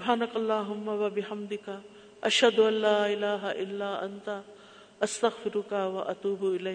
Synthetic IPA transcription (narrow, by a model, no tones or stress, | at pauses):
sʊbɦaːnɐkɐlˤːaːɦʊmːawɐbɪhɐmd̪ɪka | ʔɐʃhɐd̪ʊʔɐlːaːʔɪlaːɦaʔɪlːaːʔɐ̰nt̪a | ʔɐst̪ɐɣfɪɾʊkawɐʔat̪uːbɪlaj